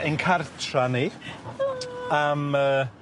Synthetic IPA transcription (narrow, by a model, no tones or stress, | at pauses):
ʔɪnkʰartʰrani | aməː